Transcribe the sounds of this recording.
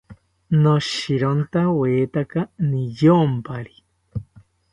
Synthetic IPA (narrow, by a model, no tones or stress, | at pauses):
noʃiɾont̪aweːt̪akanijompaɾi